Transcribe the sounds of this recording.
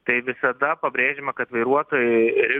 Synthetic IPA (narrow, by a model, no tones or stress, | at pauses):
t̪ɐɪʋʲɪsɐd̪ɐpɐbʲɾʲeːʒʲɪmɐkɐt̪ʋɐɪɾuɔt̪oːjʊɾʲɪ